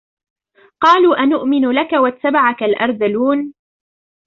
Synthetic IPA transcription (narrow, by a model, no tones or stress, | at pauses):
qɑːluːʔanʊʔmɪnʊlakawat̪ːabaʕakalʔɑ̰ɾˤdaluːn